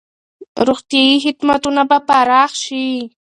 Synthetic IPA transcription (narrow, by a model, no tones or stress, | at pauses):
ɾoχt̪iɦɪt̪mat̪ʊnapapaɾɑχʃɪ